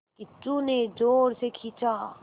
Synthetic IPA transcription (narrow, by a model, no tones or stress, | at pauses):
kit͡ʃuned͡ʒoːɾsekʰiːt͡ʃaː